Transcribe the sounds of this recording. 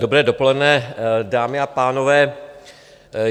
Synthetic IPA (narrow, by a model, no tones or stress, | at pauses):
dobɾɛːdo̞po̞lɛdnɛːdaːmɪapaːno̞vɛː